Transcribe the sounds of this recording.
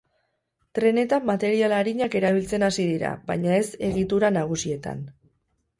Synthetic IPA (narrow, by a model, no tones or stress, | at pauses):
t̪ɾe̞ne̞t̪amat̪e̞ɾialaɾiɲake̞ɾaβ̞ilt͡se̞nasiðiɾa̰βajɲae̞se̞ɣ̞it̪uɾanaɣ̞usie̞t̪a̰n